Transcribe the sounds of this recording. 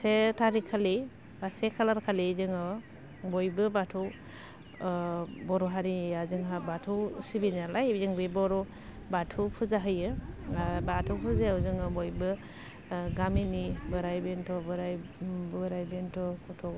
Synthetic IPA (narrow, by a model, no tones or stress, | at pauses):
setʰaɾikʰali | basekʰalaɾkʰalizɯŋɔ | bɔjbɯbatʰɔw | bɔɾɔɦaɾiazɯŋɦabatʰuwsibinalajbzɯŋbibɔɾɔ | batʰupʰuzaɦɯjɯ | batʰuwpʰuzeawzɯŋɯbɔjbɯ | ɡaminibɯɾajbentʰɔbɯɾajbɯɾajbentʰɔkʰɔtʰɔ